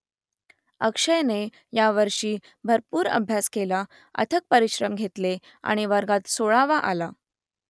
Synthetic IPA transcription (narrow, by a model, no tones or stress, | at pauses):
əkʂəjne | jaʋəɾʂiː | bʱəɾpuːɾə̰bʱjaskela | ə̰t̪ʰək̚pəɾiɕɾəmɡʱet̪le | a̰ɽ̃iʋəɾɡat̪soɭaʋaʔa̰la